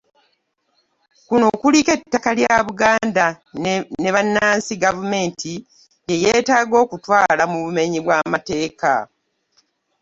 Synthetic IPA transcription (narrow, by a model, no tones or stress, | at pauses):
kuno̞kulike̞tːakaljaβuɡaːnda | ne̞βanːaːnsiɡavume̞ːntʰi | jejeːtaːɡo̞ːkutwaːlamuβume̞ɲiβwaːmate̞ːka̰